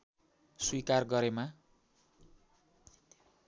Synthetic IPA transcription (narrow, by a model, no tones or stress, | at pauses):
swikarɡʌɾema